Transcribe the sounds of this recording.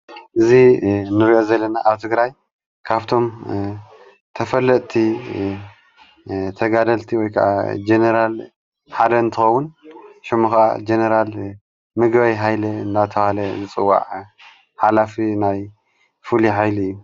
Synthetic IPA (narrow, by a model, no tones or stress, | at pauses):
ʔɨzinɨɾiʔo̞zɐlːɐnaʔaβt̪ʰɨɡɾaj | kʰaβt̪ʰo̞m | t̪ʰɐfɐlːɐʔ̪ʼt̪ʰi | t̪ʰɐɡad̪ɐlt̪ʰiwɔjkʰɐʔa̰d͡ʒenɐɾal | ħad̪ɐɨnt̪ʰɨxɐwːunʃɪmuxʔa̰d͡ʒenɐɾal | mɨɡβajɦajlɐɨnd̪at̪ʰɐwalɐzɨt͡sʼɨwːa̰ʕ | ħalafinaj | fuliħajliɨjːu